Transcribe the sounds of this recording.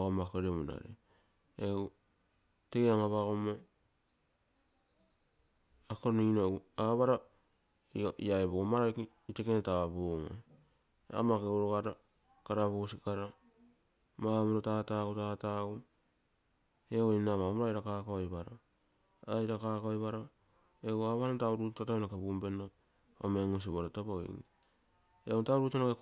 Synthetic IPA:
aɣomakeɾemona̰ɾḛ | eu | teaŋaβaɡomo | akoɾniinouaβaɾa | iaebomaɾaki | itekenetaboŋḛ | a̰makeoɾoɡaɾa | kaɾaβosikaɾa | mamoɾotatautatau | eoinamamoɾajɾakakaojβaɾa | ajɾakakaojβaɾa | eaβaɾatawɾuttatanakebumbe̞no | omeŋus̬iβoɾotaboḭŋi | eontawɾutanake

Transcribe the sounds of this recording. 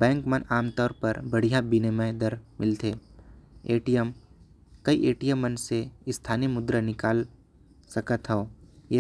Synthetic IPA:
bɛ̃ːŋkmənʔaːmt̪ɔːɾpɐɾbɐɽ̤ijãbiːnemə̃ɦd̪əɾmɪlt̪ʰeː | eːʈijəm | kɐiʔeːʈijəmːənseɪst̪ʰaːniemʊd̪ɾənɪkaːl | sɐkət̪ɦɛoːjeː

